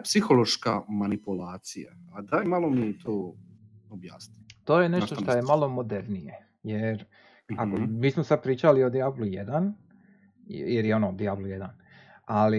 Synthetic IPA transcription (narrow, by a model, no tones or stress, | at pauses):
psixolˠo̞ʃkamanipulaːt̪sija̰ad̪aimalˠomiɛt̪ʰoː | objaːsnit̪o̞ːjeneʃt̪ot̪ojemalˠo̞mod̪eɾnije | jeɾ | akomiːsmosad̪̚pɾiːt͡ʃaliod̪iablujḛd̪an | jeɾjeo̞nod̪iabluje̞d̪an | ali